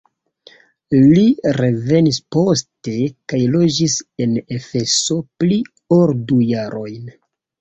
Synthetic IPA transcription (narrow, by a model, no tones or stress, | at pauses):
liɾe̞ve̞nispo̞ste̞kajlo̞d͡ʒise̞ne̞fe̞so̞pli | oɾdujaɾʔo̞jn